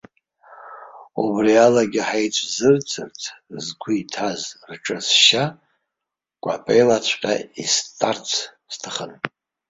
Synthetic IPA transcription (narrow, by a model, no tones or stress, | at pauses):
ubrialaɡʲɪħajt͡ʃʷʰʼzɨrt͡sʰʼɨrtʰzɡʷʰuitʰazrʈ͡ʂʼɨsʃa | kʷʼapʼejlat͡ɕʷʰʼqʲʼa̰istʼart͡sʰstʰɨχən